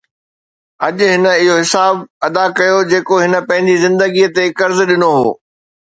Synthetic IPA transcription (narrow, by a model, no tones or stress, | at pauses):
ɐʄʊɦɪnə̆ɪɦoɦɪsaːbɐd̪akɐjod͡ʑeːkoɦɪnə̆pɐ̃ɦɪ̃ɲd͡ʑizɪ̃nd̪əɡiət̪ekɐɾzɗɪnoɦo̰ː